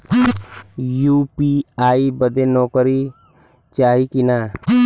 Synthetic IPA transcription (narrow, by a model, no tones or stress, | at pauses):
juːpiaːibəd̪enɔːkɾi | t͡ʃaːɦikina